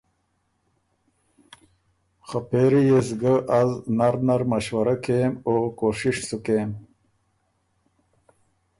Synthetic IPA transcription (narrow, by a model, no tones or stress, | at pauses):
xapeɾijesɡəʔaznaɾnaɾmaɕwaɾakemokoʂiʂsukem